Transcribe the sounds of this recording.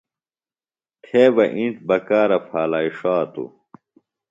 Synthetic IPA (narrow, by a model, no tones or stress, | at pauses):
t̪ʰeːbɐʔĩnʈbɐkaːɾɐpʰaːlaːiʂaːt̪ṵ